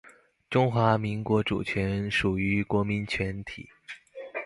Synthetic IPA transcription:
ʈ͡ʂʊ˥ŋxwa˧˥mi˧˥ŋkwɔ˧˥ʈ͡ʂṵ˨˩t͡ɕʰɥɛ˧˥nʂu˨˩y˧˥kwɔ˧˥mi˧˥nt͡ɕʰɥɛ˧˥nt̪ʰḭ˨˩˦

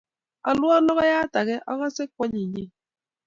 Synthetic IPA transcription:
a˨lwɔ˦nɔ˦ɣɔ˦ja˦ta˨ɣɛ˦ʔɔ˦ɣɔ˦se˦k̚wɔ˦ɲi˨ɲe˦

